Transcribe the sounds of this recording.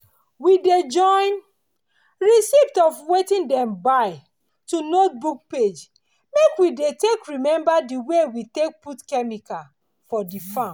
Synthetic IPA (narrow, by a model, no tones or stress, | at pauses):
wided͡ʒɔ̃ɪ̃n | ɹisiftɔfwetĩndɛ̃mbaɪ | tunot̚buk̚ped͡ʒ | mekwidetekɹimɛ̃mbadiwewitek̚putkɛmikal | fɔdifãm